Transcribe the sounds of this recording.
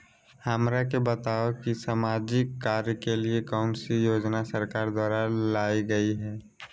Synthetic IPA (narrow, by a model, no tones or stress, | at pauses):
həmɾakebət̪aokisaːmaːd͡ʒɪkːaːɾjəkeliekaʊnsijoːd͡ʒnasəɾkaːɾd̪waːɾalaːiɡəiɦɛː